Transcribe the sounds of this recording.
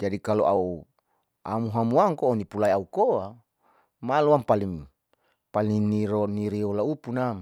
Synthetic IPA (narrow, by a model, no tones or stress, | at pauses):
d͡ʒadikaloʔau | amuɦamuaŋkoːnipulaiaukoa | maloampaliŋ | palinːiɾoniɾiolaupunam